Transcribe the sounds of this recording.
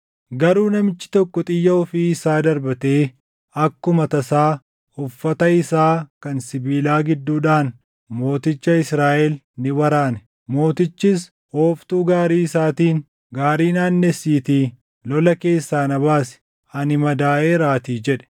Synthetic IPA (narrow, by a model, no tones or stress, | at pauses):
ɡɐɾuːnɐmɪt͡ʃːɪ̥t̪ɔkːɔt̪ʼɪjːɐɔfiːɪsaːd̪ɐɾbɐt̪eː | ɐkːʊmɐt̪ɐsaː | ʊfːɐt̪ɐɪsaːkɐnsɪbiːlaːɡɪd̪ːuːᶑaːn | mo̞ːt̪ɪt͡ʃːɐɪsɾaːʔɛl | nɪwɐɾaːnɛ | mo̞ːt̪ɪt͡ʃːɪs | hoːft̪uːɡaːɾiːɪsaːt̪iːn | ɡaːɾiːnaːnːɛsiːt̪iː | lɔlɐke̞ːsːaːnɐbaːsɛ̥ | ɐnɪmɐd̪aːʔeːɾaːt̪iːd͡ʒɛᶑɛ̥